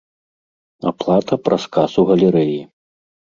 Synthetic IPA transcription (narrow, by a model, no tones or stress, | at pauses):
a̰plˠat̪ɐpɾʔɐskasuɣɐlʲɛɾɛji